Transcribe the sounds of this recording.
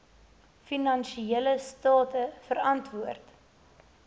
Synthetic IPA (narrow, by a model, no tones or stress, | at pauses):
finɐnʃieləstɑːtəfəɾɐntvuərt